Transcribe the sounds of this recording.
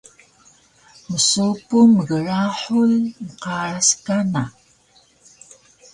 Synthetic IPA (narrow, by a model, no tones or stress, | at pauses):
məsupuməɣəɻaːħulnqɑːɾaskana